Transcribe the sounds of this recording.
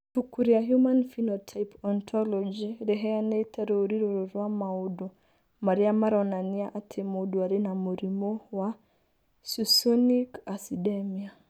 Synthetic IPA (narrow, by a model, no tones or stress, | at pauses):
fukuɾiaɦjumanfinɔtʰajpɔnt̪ʰɔlɔd͡ʒiɾɛɦɛaneitʰɛɾoɾiɾuɾɔɾwamaudɔ | maɾiamaɾɔnaniaʔatʰemoduaɾinamuɾimɔwa | susɔnikasidɛmia